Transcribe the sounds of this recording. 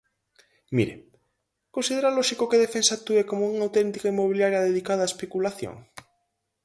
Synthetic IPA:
mḭɾḛ | konsiðeɾaloʃikokeð̞efensat̪uekomouŋawt̪ent̪ikaimoβ̞iljaɾjaðeðikað̞aespekulaθjo̰ŋ

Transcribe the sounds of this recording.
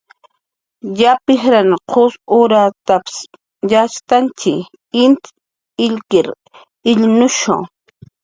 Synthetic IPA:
japɪxɾanqʰosʊɾat̪apɪ̥s | jaʃt̪ant͡ʃɪ | ɪnt̪ | ɪʎkɪɾ | ɪʎnʊʃʊ̰ŋ

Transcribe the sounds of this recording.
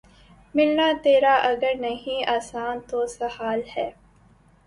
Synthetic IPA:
mɪlnaːt̪eːɾaːʔɐɡəɾnɐɦĩːʔaːsaːnt̪oːsɐhaːlhɛː

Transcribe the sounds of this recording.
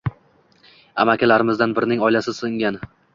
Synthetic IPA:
a̰makʲʰalaɾɪmɪzd̪anbɪɾɪnɪŋɒjlasɪsɨŋɡʲan

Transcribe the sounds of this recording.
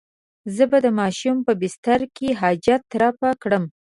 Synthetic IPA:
zəbad̪əmɑʃumpəbɪst̪aɾkeɦɑd͡ʒat̪ːɾɑpakɽəm

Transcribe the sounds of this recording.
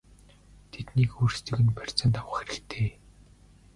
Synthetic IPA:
t̪ʰet̪niːkurst̪ɵ̆ɣɘ̆npær̥ʲt͡sə̆nt̪awə̆χxeɾɘ̆kt̪ʰeː

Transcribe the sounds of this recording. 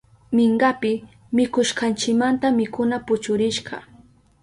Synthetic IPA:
mɪɴɢapɪ | mɪkʊʃkɑnt͡ʃɪkmant̪amɪkʊnapʊt͡ʃʊɾɪʃɢɑ̰

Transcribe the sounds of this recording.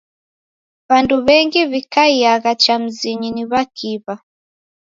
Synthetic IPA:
βanduβɛŋɡiβikaijaɣat͡ʃam̩ziɲiniβakʰiβa

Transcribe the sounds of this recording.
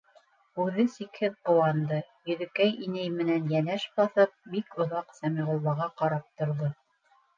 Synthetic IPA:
ʉðɘsikhɘðqɤ̆wɑnd̪ɤjɵ̆ðɘ̆kæjinæjmɘ̆nænjænæʃbɑθɤp̚bikŏðɑqsæmiʁŭlˠːɑʁɑqɑɾɑp̚t̪ŏɾðo

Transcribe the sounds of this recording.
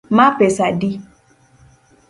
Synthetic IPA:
mapɛsadi

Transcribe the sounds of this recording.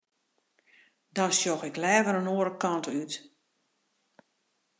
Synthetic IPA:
dɔnsjoxɪklɛːvəɾənoəɾəkɔntyt

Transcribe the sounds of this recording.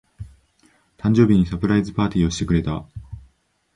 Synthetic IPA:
t̪ãɲ̟d͡ʑo̞ːbʲiɲ̟isapɯ̟ɾaizɨpaːt̪ʲiːo̞ɕi̥t̪e̞kɯ̟ɾe̞t̪a

